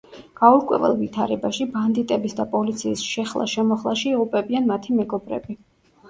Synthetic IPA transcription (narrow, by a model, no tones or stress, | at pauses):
ɡ̥auɾkʼwɛ̰vɛ̰lˠvit̪ʰaɾɛbaʃiband̪it̪ʼɛbisd̪apʼɔlit̪sʰiːsʃɛχlˠa̰ʃɛmɔχlˠaʃiiʁupʼɛbianmat̪ʰimɛɡɔbɾɛ̰bi